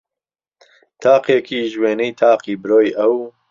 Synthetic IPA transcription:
t̪ʰaːqekiːʒweːnɛjt̪ʰaːqiːbɨɾoːjʔɐw

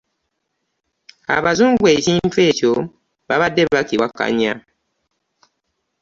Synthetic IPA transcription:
a̰βazuŋɡwecimfeco | baβadːeβakiwakːa̰ɲa̰

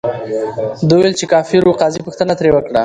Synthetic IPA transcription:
d̪əwjlt͡ʃekɑfɪɾuqɑzipəxt̪ənat̪ɾewəkɽa

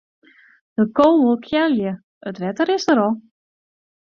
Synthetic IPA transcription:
d̥əkowməlˠkʰjɛljə | ətʋɛtəɾɪsdəɾɔlˠ

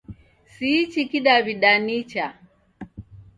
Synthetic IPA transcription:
sit͡ʃikiɗaβiɗanit͡ʃa

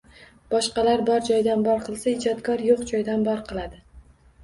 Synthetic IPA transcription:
b̥ɒʃqɑlaɾbɒɾd͡ʒɒjd̪anbɒɾqʰɨlˠsaɪd͡ʒɒt̪kʰɒɾjoqd͡ʒɒjd̪anbɒɾqʰɨlˠad̪ɪ

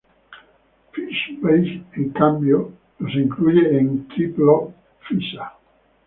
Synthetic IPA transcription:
fiʃbejiŋkambjo | losiŋkluːjeint̪ɾit̪lo | fisa

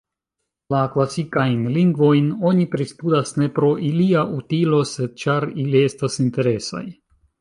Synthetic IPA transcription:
laklasikajnliŋɡvo̞jno̞nipɾistudasne̞pɾo̞ʔiliaʔutilo̞se̞d̚t͡ʃaɾilie̞stasinte̞ɾe̞sa̰j

